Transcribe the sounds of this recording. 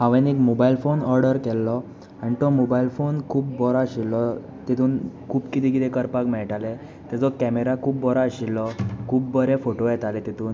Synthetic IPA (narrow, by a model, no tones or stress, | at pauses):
ɦãʋenekmobailfonɔɾɖəɾkɛlːɔ | anit̪ɔmobailfonkʰuːpːɔɾaəɕilːɔ | t̪it̪ʰuːnkʰuːbkit̪ĩkit̪ɛ̃kəɾpakmɛɭʈalɛ | t̪ɛ̃d͡zɔkɛmeɾakʰuːpbɔɾaəɕilːɔkʰuːpːəɾefoʈojɛt̪alɛt̪it̪uːn